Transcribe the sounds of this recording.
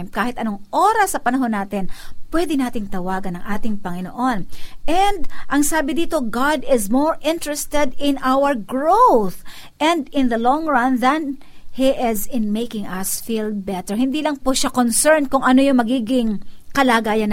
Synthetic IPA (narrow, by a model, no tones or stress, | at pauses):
mp̚kaːhɪt̪ɐnoŋʔoɾɐsːɐpɐnɐɦo̞nːaːt̪ɪnpwɛd̪ɪnaːt̪ɪŋt̪ɐwaːɡɐnɐŋʔaːt̪ɪŋpɐŋɪno̰ʔonʔɛnd̪ʔɐŋsaːbɪd̪iːt̪o̞ɡad̪ɪzmoɹʔɪ̃nt̪ɹɛst̪ɛd̪ɪnʔawəɹɡɹowθ | ʔɛ̃nd̪ɪ̃nðɐlɔŋɹɐ̃nðɐn | hiʔɪzɪnmejkɪŋɐsfiːlbɛt̪ɛɹhɪ̃nd̪iːlɐŋpʊʃakonsɛɹnkʊŋʔɐnojʊŋmɐɡiːɡɪŋkɐlaːɡaːjɐn